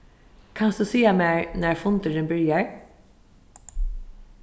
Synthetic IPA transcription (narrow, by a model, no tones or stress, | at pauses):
kʰansd̪usiːamɛɹnæɹfʊnt̪əɾɪnbɪɹjaɹ